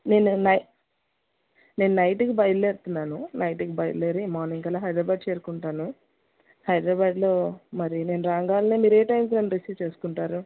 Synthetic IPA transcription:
ne̞ːnunɐj | ne̞ːnunɐjʈikibɐjleːɾt̪unːaːnunɐjʈiɡibɐjleːɾimaːɾniŋkɐlaːɦɐjd̪ɾaːbaːɖ̚t͡ʃe̞ːɾukuɳʈaːnu | hɐjd̪ɾaːbaːɖlo̞ːmɐɾine̞ːnuɾaːŋɡaːlɐneːmiːɾeːʈɐjmsneːnɾesiːʋt͡ʃe̞ːsu̥kuɳʈaːɾu

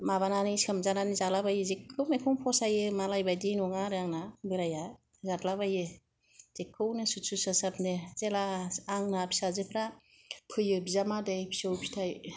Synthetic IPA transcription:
mabananɯskʰɯmzananizalabajɯzekʰːɯwmekʰɔŋpʰɔsajɯmalajbajdinɔŋaɾɯaŋnabɯɾaja | zatlabajɯ | z̥ekʰːɯwnɯsutsusasap̚nɯz̥elaaŋnapʰi̥sazɯpʰɾa | pʰɯjɯbizamadejpʰi̥sɯwpʰi̥tʰaj

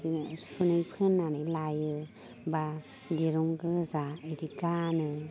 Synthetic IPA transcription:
ɡinsunɯjpʰenːanɯjlajɯ | ba | diɾɔŋɡɯzaiɾiɡanɯ

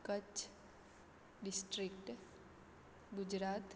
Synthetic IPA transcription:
kət͡ʃ | ɖɪsʈɾɪkʈ | ɡʊd͡ʒɾaːt̪

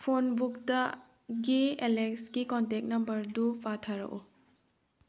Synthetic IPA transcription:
pʰonbuk̚tɐ | ɡeelekskikɔntek̚nɐmbɐɾdupʰatʰaɾɐ̰ʔu

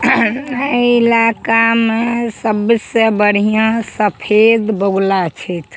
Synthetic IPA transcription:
əilakamesəbsebəɽ̤ijãsəpʰed̪bəɡlat͡ʃʰɛt̪

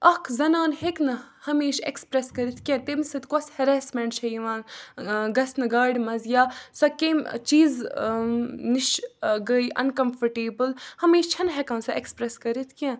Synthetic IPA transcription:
ɐkʰzɐnaːnɦeknɐhɐmeːʃḛkspɾeskɐɾit̪ʰkʲɐ̃t̪emsɐt̪kɔshɐɾɛːsmɛ̃ɳʈʃʰɐiʋãːnɡɐsnɐɡaːɖmɐzjaːsɐkẽːmt͡ʃiːz | niʃɡəiʔɐ̰nkɐmfɐɾʈeːbəlhɐmeːʃt͡ʃʰɐnɦɛkɐ̃ːnsɐʔekspɾeskɐɾit̪ʰkʲã

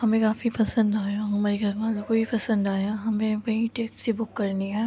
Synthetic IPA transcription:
ɦɐmẽkaːfipɐsə̃nd̪aːjaɦɐmaːɾikɐmaːlokoipɐsə̃nd̪aːjaɦɐmẽʋɐɦĩʈeːkssibʊkːɐɾniɦɛː

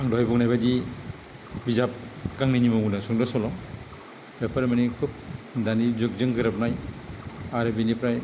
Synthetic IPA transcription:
aŋdɔajbɔk̚najbadi | bizap̚ɡaŋninimɯɡunasuŋdasɔlɔŋ | bepʰaɾmanikʰup̚danizuk̚zɯŋɡɯɾap̚naj | aɾɯbinipɾaj

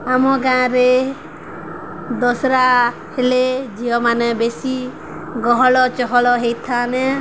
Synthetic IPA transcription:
amɔɡãːɾe | d̪ɔsɾa | heled͡ʒiɔmanɛbesi | ɡɔɦɔɭɔt͡ʃɔɦɔɭɔɦejt̪ʰane

